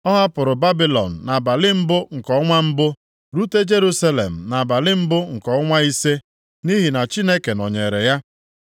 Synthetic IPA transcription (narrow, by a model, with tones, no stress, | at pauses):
ɔ˦ɦa˦pʊ˨ɾʊ˨ba˦bi˦lɔ̰˨n̩˨na˨ba˨lɪ˦m̩˦bʊ˦ŋ̩˨kɔ˦ŋʷa˦m̩˦bʊ˦ | ɾu˦te˦d͡ʒe˦ɾu˦sa˦lḛ˨m̩˨na˨ba˨lɪ˦m̩˦bʊ˦ŋ̩˨kɔ˨˦ŋʷa˦i˦se˦ | ni˦ɦi˨na˨t͡ʃi˦ne˦ke˨nɔ˨ɲe˨ɾḛ˨ja˦